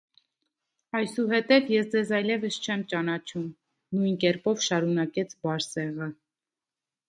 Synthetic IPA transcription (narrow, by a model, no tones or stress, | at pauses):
ɑjsuɦɛt̪ɛvjɛsd͡zɛzɑjlɛvəst͡ʃʰɛmt͡ʃɑnɑt͡ʃʰum | nujnkɛɾpɔvʃɑɾunɑkɛt͡sʰbɑɾsɛʁə